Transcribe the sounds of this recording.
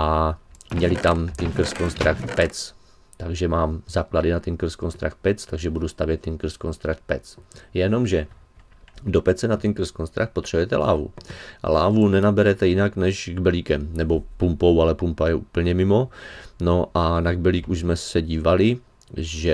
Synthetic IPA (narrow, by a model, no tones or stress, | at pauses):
ʔamɲɛlɪt̪amt̪ɛnkr̩skonst̪ɾakt̪pɛt͡s | t̪aɡʒɛmaːmzaːkladɪnat̪ɛnkr̩skonst̪ɾa̰kt̪̚pɛt͡st̪aɡʒɛbudust̪avjɛt̪ːɛnkr̩skonst̪ɾakt̪̚pɛt͡sjɛno̞mʒɛ | dopɛt͡sɛnat̪ɛnkr̩skonst̪ɾakt̪pot̪r̝̥ɛbujɛt̪ɛla̰ːvṵʔa̰la̰ːvunɛnabɛɾɛt̪ɛjɪnaknɛʃɡbɛliːkɛmnɛbopumpowalɛpumpajɛʔuːpl̩ɲɛmɪmo̞noʔanaɡ̚bɛliːkuʒzmɛsɛɟiːvalɪ | ʒɛ